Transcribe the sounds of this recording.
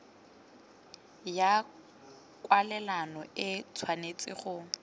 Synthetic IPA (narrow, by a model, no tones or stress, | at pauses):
ja | kʼwalɛlanɔɪt͡sʰwanet͡sʼɪ̰χʊ